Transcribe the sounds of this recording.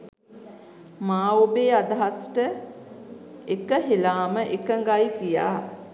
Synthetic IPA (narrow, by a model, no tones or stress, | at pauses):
maːobeːad̪aɦasʈə | ekəɦelaːməʔekəŋɡajkija̰ː